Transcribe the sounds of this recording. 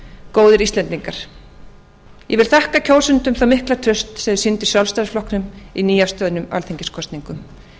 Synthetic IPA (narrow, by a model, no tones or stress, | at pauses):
koːwðɪɾist̪lɛnt̪iŋkaɾ̥ | jɛvɪlθahkacʰoːwlsʏnt̪ʏmθawmɪhklat̪ʰɾʏst̪sɛðsɪnt̪ɪ̥sjalfst̪ajð̥flɔhknʏminiːjast̪œːðnʏma̰lθeɲcɪ̥skʰɔst̪niŋkʏm